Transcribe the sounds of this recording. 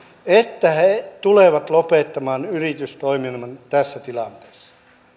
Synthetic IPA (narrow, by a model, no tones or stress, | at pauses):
et̪ːæhet̪uleʋɑt̪lopet̪ːɑmɑːnyrit̪yst̪oiminmɑnt̪æsːæt̪ilɑnt̪e̥ːsːɑ̥